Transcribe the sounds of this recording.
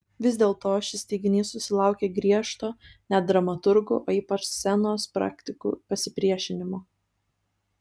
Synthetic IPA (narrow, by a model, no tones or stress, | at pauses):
ʋʲɪzʲd̪ʲeːlˠt̪oːʃʲɪsʲt̪ʲɛɪɡʲɪnʲiːssʊsʲɪlˠɑˑʊkʲeːɡɾʲiɛʃt̪oːnʲɛd̪ɾɐmɐt̪ʊɾɡʊ̰ʔoːiːpɐʃssʲɛnoːspɾɑ̰ːkt̪ʲɪkṵːpɐsʲɪpʲɾʲiɛʃʲɪnʲɪmoː